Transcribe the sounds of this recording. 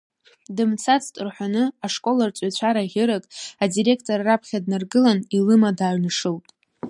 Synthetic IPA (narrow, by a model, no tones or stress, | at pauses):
dɨmt͡sʰat͡sʰtʼɨrħʷᶣanɨaʂkʼo̞lart͡sʷʼat͡ɕʷʰaɾaʁʲɪɾɨkʼadiɾe̞kʰtʰʼoraːapʰχʲadnarɡɨlanilɨmadaːɥnɨʂɨltʼ